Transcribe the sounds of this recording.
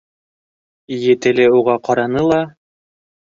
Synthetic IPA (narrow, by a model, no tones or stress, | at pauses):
jɘ̆t̪ɘ̆lɘuʁɑqɑɾɑnɤlˠɑ